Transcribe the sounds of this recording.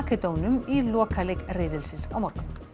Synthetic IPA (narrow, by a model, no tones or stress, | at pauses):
kɛt̪oːwnʏmilɔːkalɪkrɪːðɪlsɪnsawmɔɾ̥kʏm